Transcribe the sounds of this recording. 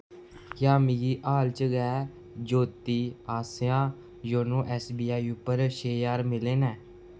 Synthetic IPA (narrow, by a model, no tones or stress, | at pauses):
kaːmɪɡiːʔaːlt͡ʃəɡɛː | d͡ʒoːt̪iːaːsjãː | joːnõːʔɛːsbiːaːiuːpəɾʃeːaːɾmɪleːnɛː